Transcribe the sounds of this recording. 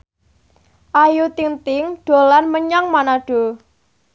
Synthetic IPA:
ʔajut̪iŋt̪ɪŋɖ̪̥o̤lanməɲaŋmanaɖ̥o̤

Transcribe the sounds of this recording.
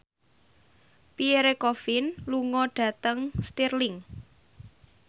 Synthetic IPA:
pieɾekofɪnluŋɔɖ̥ä̤t̪əŋst̪irlɪŋ

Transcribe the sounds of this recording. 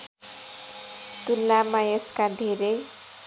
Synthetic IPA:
t̪ulːamajeskad̪ʱeɾej

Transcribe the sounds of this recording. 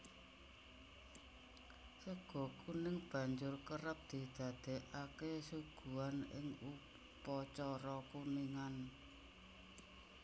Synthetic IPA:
səɡ̥ɔ̤kunɪŋb̥ä̤ɲd͡ʒʊrkəɾəp̚d̪̥i̤d̪̥ä̤d̪̥e̤ʔakesuɡ̥ṳanɪ̰ŋu | pɔt͡ʃɔɾɔkuniŋan

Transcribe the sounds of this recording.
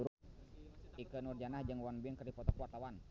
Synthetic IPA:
uɾ | ikənurd͡ʒanahd͡ʒəŋwanbəŋkərdipɔt̪ɔkuwart̪awan

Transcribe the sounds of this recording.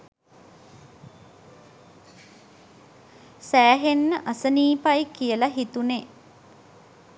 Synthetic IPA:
sæːɦenːəʔasəniːpajkijəlaɦit̪une

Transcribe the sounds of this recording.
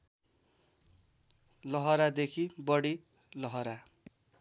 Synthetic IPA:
lʌɦʌɾad̪ekʰibʌɽi | lʌɦʌɾa

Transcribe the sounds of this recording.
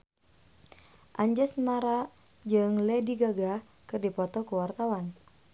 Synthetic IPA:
ʔaɲd͡ʒɛsmaɾa | d͡ʒɨŋlɛdiɡaɡa | kɨrdipɔt̪ɔkuwart̪awan

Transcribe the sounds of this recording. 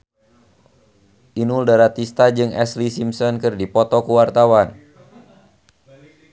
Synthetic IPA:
ʔinuldaɾat̪ist̪ad͡ʒɨŋɛ̰slisimsɔnkɨrdipɔt̪ɔkuwart̪awan

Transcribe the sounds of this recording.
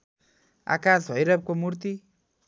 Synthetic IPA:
a̰kasɦʌjɾʌp̚komuɾt̪i

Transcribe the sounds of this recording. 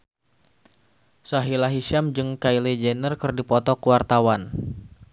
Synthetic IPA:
saɦilaɦiʃamd͡ʒɨŋkailed͡ʒɛnərkɨrdipɔt̪ɔkuwart̪awan

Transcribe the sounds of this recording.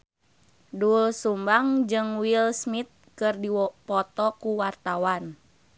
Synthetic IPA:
dulsumbaŋd͡ʒɨŋwilsmit̪̚kɨrdipɔt̪ɔkuwart̪awan

